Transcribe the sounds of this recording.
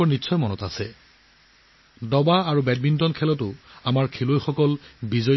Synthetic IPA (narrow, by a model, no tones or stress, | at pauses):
ɔɹnitːsʰɔjmɔnɔtasɛ | dɔbaaɹubɛd̚bintɔnkʰɛlɔtʊamaɹkʰelojxɔkɔlbizɔ